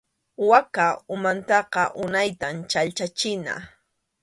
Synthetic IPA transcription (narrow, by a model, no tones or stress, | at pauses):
wakaʊmant̪ɑqɑʔʊnajt̪amt͡ʃalt͡ʃat͡ʃɪna̰